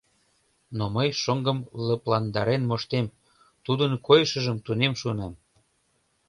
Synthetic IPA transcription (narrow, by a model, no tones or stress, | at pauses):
noməjʃoŋɡə̆mləplɑnd̪ɑɾenmoʃt̪em | t̪ud̪ənkojʃə̆ʒəmt̪unemʃuənɑm